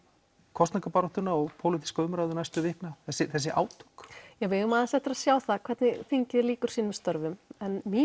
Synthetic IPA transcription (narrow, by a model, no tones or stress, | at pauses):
kʰɔst̪nakapaɾɔht̪ʏnaɔɣpʰoːwlɪt̪i̥skːʏmɾajðʏnajst̪ʏvɪhknaθɛsːɪθɛsːɪʔa̰ːwt̪ʰu̥kjɛɣvɪʏmaːðansɛht̪ɪɾasjaːwθakʰv̥ɛɾt̪nɪθiɲcɪðliːkʏɾ̥siːnʏmst̪ɔɾvʏmɛnmi